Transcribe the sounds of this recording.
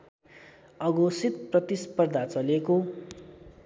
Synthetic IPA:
ʌɡosit̪prʌt̪ispʌrd̪ʱat͡sʌleko

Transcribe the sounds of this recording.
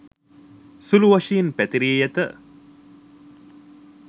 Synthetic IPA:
suluʋaʃiːnpæt̪iɾijəjat̪ə

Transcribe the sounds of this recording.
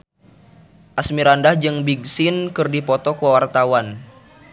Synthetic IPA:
ʔasmiɾandahd͡ʒɨŋbiɡ̚sinkɨrdipɔt̪ɔkuawart̪awan

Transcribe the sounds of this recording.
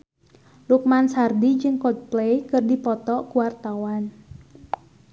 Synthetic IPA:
luk̚mansardid͡ʒɨŋkɔd̪̚plejkɨrdipɔt̪ɔʔkuwart̪awan

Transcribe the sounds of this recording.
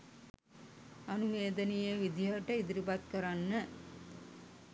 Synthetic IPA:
ɐnuʋeːd̪ənijəʋid̪ijaʈəid̪iɾibat̪̚kəɾanːə

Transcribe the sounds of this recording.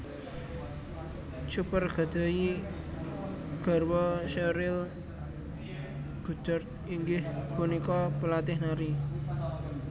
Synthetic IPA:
t͡ʃupərɡ̥a̤d̪̥a̤ji | ɡ̥ɔ̤rwɔʃeɾɪl | ɡ̥ṳ̥d͡ʒ̥ɔ̤rt̪̚ | iŋɡɪhpunikɔpəlat̪ɪhnaɾi

